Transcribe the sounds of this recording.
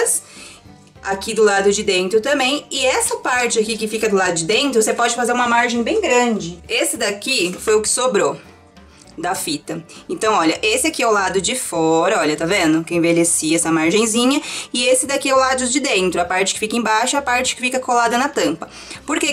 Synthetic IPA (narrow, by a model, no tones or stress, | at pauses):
s | akid̪ʊlad̪ʊd͡ʒɪd̪ẽnt̪ɾʊt̪ɐ̃mbẽj̃ɪɛsɐpaɾt͡ʃɪakikɪfikɐd̪ʊlad̪ʊd͡ʒɪd̪ẽnt̪ɾʊvosepɔd͡ʒɪfazeɾũmɐmaɾʒẽj̃bẽj̃ɡɾɐ̃d͡ʒɪesɪd̪akifojʊkɪ̥sobɾo | d̪ɐfit̪ɐẽnt̪ɐ̃w̃ɔʎɐʔesɪakiɛwlad̪ʊd͡ʒɪfɔɾɐɔʎɐt̪avẽnd̪ʊkɪẽvelesiɛsɐmaɾʒẽj̃zĩɲɐɪesɪd̪akiɛwlad̪ʊd͡ʒɪd̪ẽnt̪ɾʊɐpaɾt͡ʃɪ̥kɪ̥fikɐẽbaʃʊɛapaɾt͡ʃɪ̥kɪfikɐkolad̪ɐnɐt̪ɐ̃mpɐ | poɾke